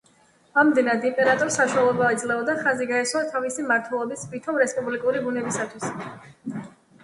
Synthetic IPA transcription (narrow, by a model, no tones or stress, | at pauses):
amd̪ɛnad̪impʼɛɾat̪ʼɔɾsaʃualˠɛbaid̪zlɛɔd̪aχaziɡaɛswat̪ʰavisimaɾt̪ʰwɛlˠɔbisbit̪ʰɔmɾɛspʼublikʼuɾibunɛbisat̪ʰwis